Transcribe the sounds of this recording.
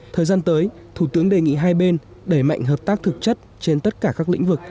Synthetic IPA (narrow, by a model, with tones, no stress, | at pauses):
t̪ʰəː˨˩jzaː˧nt̪əː˨˦j | t̪ʰu˧˩t̪ɨ˨˦əŋɗe˨˩ŋḭ˧˨ɦaː˧jɓe˧n | ɗə˧˩jma̰˧˨jŋɦəː˨˩p̚t̪aː˦˥k̚t̪ʰɨ˨˩k̚t͡ɕə˦˥t̚t͡ɕe˧nt̪ə˦˥t̚kaː˧˩kaː˦˥k̚lḭ̈˧˥ŋvɨ˨˩k̚